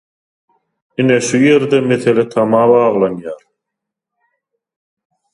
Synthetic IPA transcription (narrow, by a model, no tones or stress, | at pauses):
ineʃuje̞ɾd̪eme̞θelet̪ʰɑmɑːβɑːʁlˠɑnjɑːɾ